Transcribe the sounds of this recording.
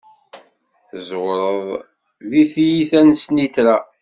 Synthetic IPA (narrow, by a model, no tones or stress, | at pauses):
zwɾˤəðˤ | viθjiθænsnit̪ɾa